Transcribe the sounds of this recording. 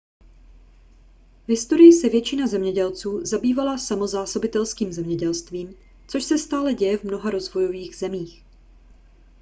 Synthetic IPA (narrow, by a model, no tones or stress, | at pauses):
v̥ɦɪst̪o̞ɾɪjɪsɛvjɛt͡ʃɪnazɛmɲɛɟɛlt͡suːzabiːvalasamo̞zaːso̞bɪt̪ɛlskiːmzɛmɲɛɟɛlst̪viːm | t͡soʃsɛst̪aːlɛɟɛjɛvmno̞ɦaɾo̞zvo̞jo̞viːɣz̥ɛmiːx